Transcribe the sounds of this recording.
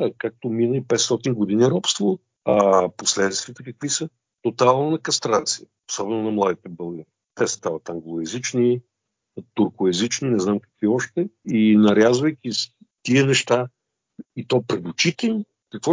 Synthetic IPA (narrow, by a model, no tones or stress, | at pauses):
kak̚t̪ominəipɛt̪st̪ɔt̪inɡod̪iniɾɔpst̪vo | ɐposlɛd̪t̪t̪vʲiət̪əkɐkvisə | t̪ot̪alˠnonɐkɐst̪ɾat̪siəosɔbɛnonɐmlˠad̪it̪ɛbɤlˠɡəɾit̪ɛsə̥st̪avət̪aŋɡlˠoɛzit͡ʃni | t̪ʊɾkʊɛzit͡ʃninɛznamkɐ̥kviɔʃt̪ɛinɐɾʲazvəjkʲi | t̪iənɛʃt̪a | it̪ɔjpɾɛd̪ʊt͡ʃit̪ən | kɐkvɔ